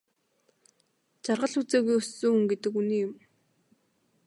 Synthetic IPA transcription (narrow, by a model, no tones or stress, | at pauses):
t͡ɕarʁə̆ɮut͡seːɣujɵst͡suːuŋɡet̪ɘ̆kuniːjʊm